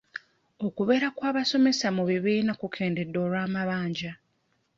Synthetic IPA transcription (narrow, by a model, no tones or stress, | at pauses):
o̞kuβe̞ɾakwaːβaso̞me̞samuβiβiːnakukʰe̞ːnde̞dːo̞ːɾwaːmaβaːɲɟa